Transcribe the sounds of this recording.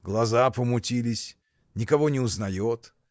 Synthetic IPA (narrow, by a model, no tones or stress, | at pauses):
ɡlˠɐzapəmʊtʲilʲɪsʲ | nʲɪkɐvonʲɪʊznɐjot̪